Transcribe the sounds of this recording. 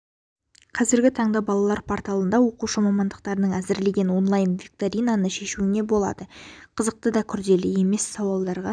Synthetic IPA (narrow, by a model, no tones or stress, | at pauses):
qʰɑzɪɾɡʲɪt̪ʰɑɴd̪ɑbɑlˠɑlˠɑɾpʰoɾt̪ɑlˠənd̪ɑwo̞quʃəmɑmɑnd̪əq̚t̪ɑɾənəɴæzɪɾle̞ɡʲe̞nwo̞nlˠɑjnvʲik̚t̪oɾʲijnanəʃe̞ʃuɪne̞bo̞lˠɑ̰d̪əqʰəzəq̚t̪əd̪ɑkʲʰʏɾd̪e̞lɪe̞me̞sːɑwɑlˠd̪ɑɾʁɑ